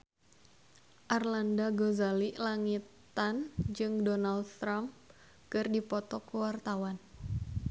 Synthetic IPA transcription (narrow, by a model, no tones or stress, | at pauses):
ʔarlandaɡozaliʔlaŋit̪ | and͡ʒɨŋdonaldt̪ɾamp | kɨrdipɔt̪ɔkuwart̪awan